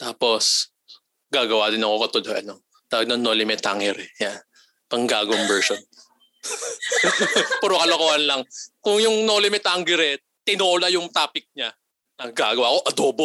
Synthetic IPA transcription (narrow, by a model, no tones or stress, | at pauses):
t̪aːpo̞s | ɡaːɡɐwaːd̪ɪnɐko̞kɐt̪od̪oʔɐ̰no | t̪aːɐɡ̚nɐnolɪmɛt̪a̰ŋɛɾɛjan | pɐŋɡaːɡʊwɐŋbɛɹʃon | puɾokɐlokoːhɐnlɐŋkʊŋjʊŋnoːlɪmɛt̪aŋɡɛɾɛ | t̪ɪnoːlajʊŋt̪aːpɪk̚ɲa | ɐɡaːɡɐwaːko̞ʔɐd̪oːbo